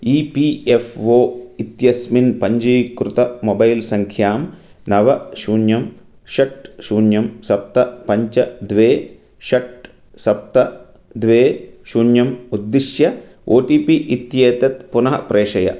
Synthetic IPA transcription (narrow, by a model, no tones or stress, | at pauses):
iːpiːefʋoːit̪jɐsminpɐɲd͡ʒɐjkɾut̪ɐmobɐjlsɐŋkʰjaːmnɐʋɐʃuːnjɐm | ʃɐʈʃuːnjɐmsɐp̚t̪ɐpɐɲt͡ʃɐd̪ʋeː | ʃɐʈ | sɐp̚t̪ɐ | d̪ʋeːʃuːnjɐmud̪ːiʃjɐ | ʔoːʈiːpiʔit̪jeːt̪ɐt̪punɐɦɐpɾʔeːʂɐjɐ̰